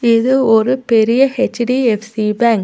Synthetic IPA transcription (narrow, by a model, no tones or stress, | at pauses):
ɪðɯɔɾɯpɛɾɪjɐhɛt͡ʃːɖiɛfsibaːŋk